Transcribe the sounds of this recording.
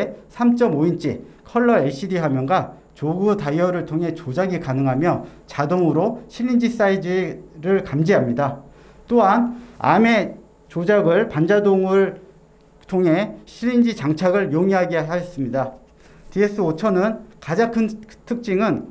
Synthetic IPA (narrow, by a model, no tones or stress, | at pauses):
sʰamt͡ɕ͈ʌmoint͡ɕ͈ikʰʌɭːʌeɕ͈ʰidiɦamjʌnɡa | t͡ɕoɡutajjʌɾɯɭtʰoŋɦe̞t͡ɕod͡ʑaɡikanɯŋɦamjʌt͡ɕadoŋɯɾoɕʰiʎːind͡ʑis͈aid͡ʑiɾɯɭkamd͡ʑiɦamɲida | t͈oɦana̰me̞ | t͡ɕod͡ʑaɡɯɭpand͡ʑadoŋɯɭ | tʰoŋɦe̞ɕʰiʎːind͡ʑit͡ɕaŋt͡ɕʰaɡɯɭjoŋiɦaɡeɦaʌs͈ɯmɲida | tie̞s͈ɯot͡ɕʰʌnɯnkad͡ʑaŋkʰɯntʰɯk̚t͡ɕ͈iŋɯn